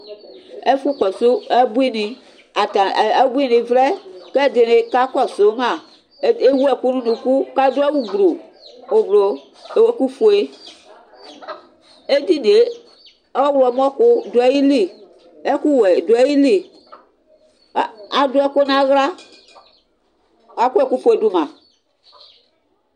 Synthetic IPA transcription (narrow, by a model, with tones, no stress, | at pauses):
e˦fu˦kɔ˨so˦ɛ˦bu˦i˦nĩ˨ | a˨ta˨ɛ˦bu˦i˦nĩ˨vɾɛ˦ke˦˨de˨ne˨ka˦kɔ˦˨so˨˦mã˨˦ | e˦wu˦ɛ˦˨ku˦nũ˦nũ˨ku˦ka˦do˦ɛ˦wu˦ɡ͡bɾo˨ | o˨blo˨ | e˨we˦ku˦fo˨e˦ | e˦di˦˨ne˨˦ | ɔ˦wlɔ˨m˦ɔ˦kʊ˦do˨ɛ˦ji˦li˦˨ | ɛ˦ku˦wɛ˨do˨ɛ˦ji˦li˨˦ | a˨dʊ˦ɛ˦ko˦nã˦ɣla˦ | a˦ku˦ɛ˨ku˦po˨e˨du˦mã˨